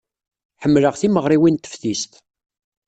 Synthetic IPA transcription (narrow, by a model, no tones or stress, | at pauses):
ħəmːləʁθiməʁɾiwint̪ːə̥fθist̪